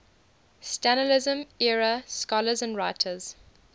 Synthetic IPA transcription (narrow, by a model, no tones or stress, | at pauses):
stænəlɪzə̃mɛɹəskɔləzə̃ndɹaɪtʰəz̥